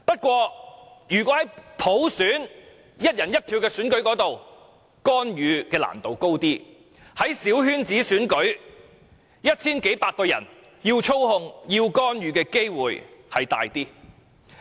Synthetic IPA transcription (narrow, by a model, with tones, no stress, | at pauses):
pɐ˥t̚kʷwɔː˧jyː˨kʷɔː˨˥hɐ˨˥jpʰo˨˥wsyː˨˥n | jɐ˥t̚jɐ˨˩njɐ˥t̚pʰiː˨˧wkɛː˧syː˨˥nkɵ˨˥ɥkɔː˨˥t̪o˨w | kɔː˥njyː˨˧kɛː˧la̰ː˨˩nt̪o˨wko˥wt̪iː˥ | hɐ˨˥jsiː˨˥whyː˥nt͡siː˨˥syː˨˥nkɵ˨˥ɥ | jɐ˥t̚t͡sʰiː˥nke˨˥jpaː˧t̚kɔː˧jɐ̰˨˩n | jiː˧wt͡ʃʰo˥whʊ˧ŋjiː˧wkɔː˥njyː˨˧kɛː˧ke˥jwuː˨jhɐ˨jt̪a̰ː˨˧jt̪iː˥